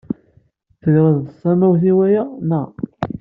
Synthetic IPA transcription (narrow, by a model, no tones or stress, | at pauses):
θəlɾəðəsˤːæmæwθiwæjænæ